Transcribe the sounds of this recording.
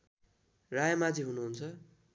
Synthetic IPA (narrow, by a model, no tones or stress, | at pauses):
rajmad͡ziɦunuɦunt͡sʰʌ